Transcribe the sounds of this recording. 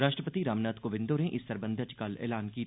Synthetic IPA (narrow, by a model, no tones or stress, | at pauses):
ɾaːʃʈɾəpət̪iɾaːmnaːt̪koʋɪ̃nd̪oːɾẽʔɪsːɐɾbə̃nd̪ʱət͡ʃkɐlɛ̰ːlaːnkiː